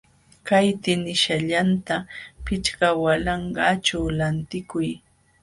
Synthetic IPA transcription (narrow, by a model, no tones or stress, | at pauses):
kajt̪ɪnɪʃaʎant̪apɪt͡ʃkawalɑɴɢɑt͡ʃawlant̪ɪkʊj